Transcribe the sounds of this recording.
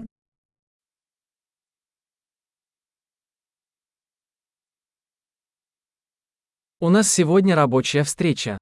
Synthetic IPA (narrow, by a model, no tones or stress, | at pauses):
ʊnassʲɪvodʲnʲəɾɐbo̞t͡ɕɪjəfst̪ɾʲet͡ɕə